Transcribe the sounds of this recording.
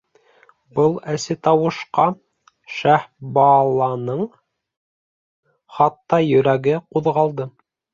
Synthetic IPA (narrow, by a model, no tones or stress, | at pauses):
bɤlˠæsɘt̪ɑwɤ̆ʃqɑ | ʃæhbɑlˠɑnɤɴ | χɑt̪ːɑjɵ̆ɾæɡɘquðʁɑlˠd̪ɤ